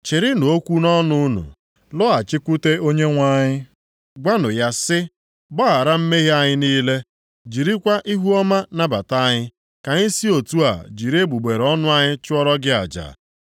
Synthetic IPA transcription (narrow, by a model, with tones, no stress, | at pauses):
t͡ʃɪ˨ɾɪ˦no˨o˦kʷu˦nɔ˦nʊ˦nṵ˨ | lʊ˦a˨t͡ʃɪ˦kʷu˦te˦o˦ɲe˦ŋʷa˦ɲɪ˦ | ɡʷa˦nʊ˨ja˦sɪ˦ | bɔ˦a˨ɾa˦m̩˦me˦ɣi˦a˦ɲɪ˦niː˦le˦ | d͡ʒi˨ɾi˦kʷa˦ʔi˦ɦu˦ɔ˦ma˦na˦ba˨ta˦ɲɪ˦ | ka˨ɲɪ˦si˦o˨tu˦a̰˨d͡ʒi˨ɾe˦bu˨ɡ͡be˨ɾɔ˦nʊ˦a˦ɲɪ˦t͡ʃʊ˦ɔ˦ɾɔ˦ɡɪ˦a̰˨d͡ʒa̰˨